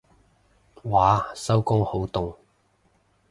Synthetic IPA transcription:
waː˨˥sɐ˥wkʊ˥ŋho˨˥wt̪ʊ˨ŋ

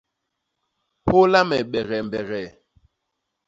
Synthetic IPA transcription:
ho˦la˦mɛ˨ɓɛ˨ɣɛ˨m˨bɛ˨ɣɛ˨

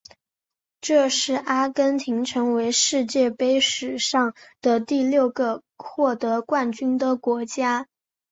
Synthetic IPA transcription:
ʈ͡ʂɤ˥˧ʂɻ̩˥˩ʔa˥kə˥nt̪ʰi˧˥ŋʈ͡ʂʰɤ˧˥ŋwe˧˥ɪʂɻ̩˥˧t͡ɕjɛ˥˩pe˥ɪʂɻ̩˨˩ʂɑ˥˩ŋd̪̥ə˩t̪i˥˧ljo˥˩ʊɡə˧˦ | xwɔ˥˩t̪ɤ˧˥kwa˥˩nt͡ɕy˥nd̪ə˨kwɔ˧˥t͡ɕja˥

